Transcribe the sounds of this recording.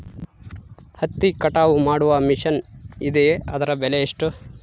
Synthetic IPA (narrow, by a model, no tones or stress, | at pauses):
hɐt̪ːikɐʈaːʋumaːɽuʋɐmiʃɐnid̪eɐ̰d̪ɐɾɐbɛleeʂʈu